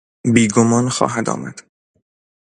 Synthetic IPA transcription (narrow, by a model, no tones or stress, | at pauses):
biːɡomɒːnxɒ̰ːɦæd̪ɒ̰ːmæ̰d̪̥